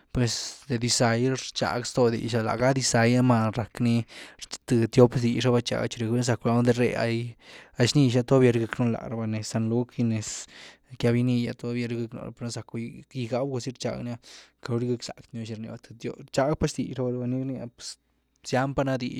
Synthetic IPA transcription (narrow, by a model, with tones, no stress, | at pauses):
pwe˨sd̪e˨d̪i˧sa˨jɾt͡ʃa̰˨ɡst̪o˧d̪ḭ˨ʃa˧la̰˨ɡa˦d̪i˧sa˨ja˦ma˧ɾa˨kni˧t̪ɨ˨t̪jo˦bsd̪i˧ʂa˦˧ba˧t͡ʃa̰˧ɡt͡ʃi˧ɾe˧˨kbe˦nz̬a˧kla˧˦d̪e˧ɾḛ˧a̰˧ja˧jʃni˧ʃa˧t̪o˦bje˧ɾɡɨ˧kno˦la̰˨ɾa˧ba˧ne˨sa˧nlu˦ki˧ne˨skja˧bi˧ni˧ja˧t̪o˦bje˧ɾɡɨ˧kno̰˧ɾa̰˧pe˧ɾo˧˦za˨˧ki˧ɡa˦bɡo˧si˦ɾt͡ʃa̰˧ɡn˦a˦ka˧lu˧˦ɾi˦ɡa˧ksa̰˨kt̪no˧ʃi˧ɾnḭ˧ba˧t̪ɨ˧t̪o˦t͡ʃa˧ɡ̚pa˦sd̪i˧ʂa˦ba˧ɾba˧ni˦ɾni˧a˧ | sja˦mpa˦na˦d̪ḭ˧